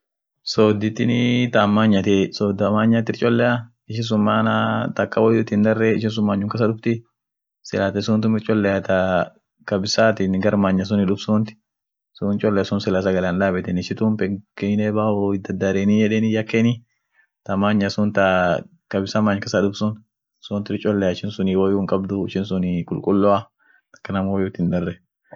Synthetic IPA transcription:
soːd̪ɪt̪ːɪnɪt̪aːmːaːɲːɐt̪ɛsoːd̪ɐmaːɲːaːt̪ːɪɾt͡ʃʼɔlːɛʔa | ɪʃ̬ɪs̬ʊmːaːnat̪ɐkʼːɐwɔjʊt̪ːɪnd̪ɐrːɛɪʃɪns̬ʊmːaːɲːʊŋkɐs̬ɐᶑʊbt̪ɪ | sɪlaːt̪ɛsʊːnt̪ʊmɪɾt͡ʃʼɔlːɛjat̪a | kɐbɪsaːt̪ɪnɡɐɾmaːɲːɐs̬ʊnɪᶑʊbsunt̪ɪ̥ | sʊnt͡ʃʼɔlːɛsʊːnsɪlas̬ɐɡɐlanlaːbɛt̪ɛnɪʃɪt̪uːmpɛŋkɛneːbaːɔɪd̪ɐd̪ːaɾeːniːjɛᶑeːnɪjɐkːeniː | t̪ɐmaːɲːɐsʊnt̪ɐ | kɐbɪsɐmaːɲkɐsɐᶑʊbsʊn | suːnt̪ɪɾt͡ʃʼɔlːɛjaɪʃɪnsʊniːwɔjʊːŋkʼɐbd̪ʊɪʃɪnsʊnɪkʼʊlkʼʊlːɔa | ɐ̥kːɐnɐmwɔjʊt̪ːɪnd̪ɐrːɛ

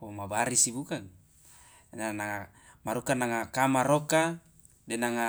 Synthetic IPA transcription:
omabaɾisibukaŋ | nanaŋa | maɾokanaŋakamaɾoka | denaŋa

